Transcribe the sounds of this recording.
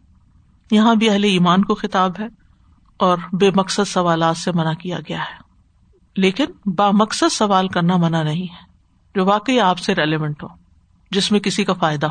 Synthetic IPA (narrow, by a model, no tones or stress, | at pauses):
jɐɦãbʱiɐɦleiːmaːnkoxɪt̪aːbɦɛ | ɔːɾbeːmɐksəd̪sɐʋaːlaːt̪semɐnakija̰ɡɐjaɦɛː | leːkɪnbaːmɐksəd̪sɐʋaːlkɐɾnamɐnanɐɦĩɦɛ | d͡ʒoːʋaːkəiaːpseɾeːleːʋə̃ɳʈɦoː | d͡ʒɪsmẽkɪsikafaːɪd̪aɦ